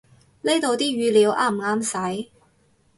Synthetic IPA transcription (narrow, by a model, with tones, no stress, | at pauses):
le˥jt̪o˨˧wt̪iː˥ɥyː˧liː˨˧wʔaː˥˩m̩˨˩ŋaː˥msɐ˨˥j